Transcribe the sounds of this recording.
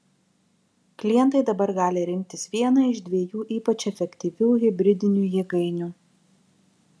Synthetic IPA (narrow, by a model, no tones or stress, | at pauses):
klʲɪjɛnt̪ɐɪd̪ɐbɐɾɡɑːlʲɪɾʲɪmʲk̚ʲt̪ʲɪsʋʲiɛnɐɪʒd̪ʲʋʲiɛjuːʔiːpɐt͡ʃɛfʲɛkʲt̪ʲiːʋʲuːɣʲɪbʲɾʲɪd̪ʲɪnʲuːjɛɡɐɪnʲuː